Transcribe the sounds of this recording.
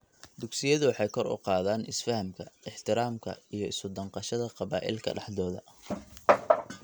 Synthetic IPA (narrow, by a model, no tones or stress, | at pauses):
d̪ʊksɪjɐðʊwħɑjkʰɔrʊ̰qɑːðaːnʔɪsfɐhɐmkʰɐɪħt̪ʰɪɾaːmkʰɐ̰ijɞɪsʊd̪ɐɴqɑʃɐðɐqɑβaːʔɪ̰lkʰɐ̰ɖɑ̰ħdɔːðɐ